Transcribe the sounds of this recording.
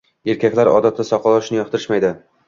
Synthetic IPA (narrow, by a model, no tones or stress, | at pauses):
e̞ɾkʲakʲlaɾɒ̰d̪at̪ʰːasɒqʰɒlˠɒʃnɪjɒq̚t̪ʰɪɾɪʃmajd̪ɪ